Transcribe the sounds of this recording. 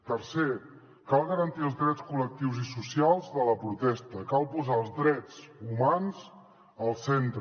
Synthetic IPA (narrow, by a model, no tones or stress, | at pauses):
t̪əɾse | kalˠɣəɾənt̪iəlˠzdðɾɛt͡skulək̚t̪iwzisusialˠzðələpɾut̪ɛst̪əkalˠpuzaəlˠzdɾɛt͡sumanz | əlˠsent̪ɾ